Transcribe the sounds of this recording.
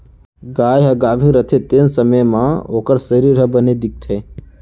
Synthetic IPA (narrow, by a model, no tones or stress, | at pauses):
ɡaːjɦɐɡaːbʱĩɾət̪ʰet̪ensəməmãoːkəɾsəɾiːɾɦəbəned̪ɪk̚t̪ʰeː